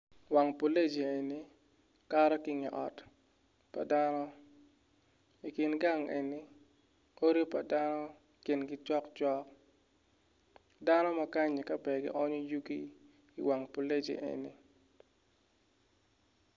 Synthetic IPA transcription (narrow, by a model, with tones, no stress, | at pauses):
wa˨ŋpo˨le˦d͡ʒe˨e˨ni˦ | ka˦ɾɔ˦kɪ˦ŋɛ˨ʔɔ̰˨t | pa̰˨da˦nɔ˦ | i˨kɪ˨nɡa˦ŋḛ˨ni˦ | o˦ɾi˦pa˨da˦nɔ˦ | kɪ˨nɡɪ˦t͡ʃɔ˦kt͡ʃɔ˦k̚ | da˦nɔ˦ma˦ka˦ɲi˨ka˦bɛ˨ɡɪ̰˦ʔɔ˦ɲo˦ju˦ɡi˦ | ḭ˨wa˨ŋpo˨le˦d͡ʒḛ˨ʔḛ˨nḭ˦